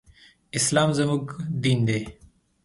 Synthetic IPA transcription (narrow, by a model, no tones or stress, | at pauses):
ɪslaːmzɐmukd̪iːnd̪eː